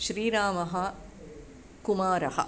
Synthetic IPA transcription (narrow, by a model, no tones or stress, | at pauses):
ʃɾiːɾaːmɐɦɐ | kumaːɾɐhɐ̰̆